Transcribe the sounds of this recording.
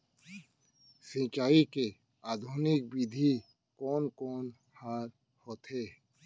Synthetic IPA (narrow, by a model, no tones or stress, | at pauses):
sĩːt͡ʃaːike | aːd̪ʱuːnɪk̚bid̪ʱi | kɔːnkɔːn | haːɾ | hoːt̪ɦeː